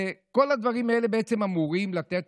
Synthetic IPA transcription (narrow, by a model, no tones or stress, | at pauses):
ko̞lad̪vaʁimae̞le̞beet͡semamuʁimlat̪et̪